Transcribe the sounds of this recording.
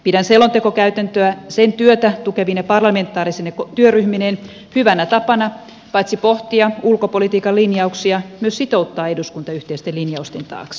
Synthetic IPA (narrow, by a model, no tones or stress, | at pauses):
pidænselont̪ekokæyt̪ænt̪øæsent̪yøt̪æt̪ukeʋinepɑrlɑme̞nt̪ːˑɑːɾisenekot̪yøryhminen | hyʋænæt̪ɑpɑnɑ | pɑit̪sipoht̪iɑulkopolit̪iːkɑlinjɑuksiɑmyøsit̪out̪ːɑːeduskunt̪ɑyht̪eist̪elinjɑust̪ent̪ɑ̰ːks